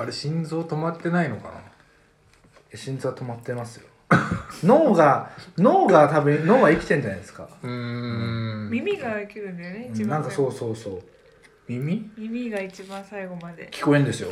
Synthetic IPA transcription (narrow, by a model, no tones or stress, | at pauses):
aɾeɕĩnd͡zo̞ːt̪o̞mat̪ːe̞naino̞ka̰na̰ | eɕĩnd͡zɨβat̪o̞mat̪ːe̞masɨjo̞no̞ːɡano̞ːɡat̪abɯ̟̃no̞ːɡaikʲi̥t̪ẽɲ̟d͡ʑanajd̪esɨ̥ka̰ɯ̃ | mʲimʲiɡaikʲiɾɯ̟̃nd̪esonẽnãŋkaso̞ːso̞ːso̞ː | mʲimʲimʲimʲiɡait͡ɕibãɰ̃saiɡo̞mad̪e̞̰kʲi̥ko̞ẽnd̪e̞sɨjo̞̰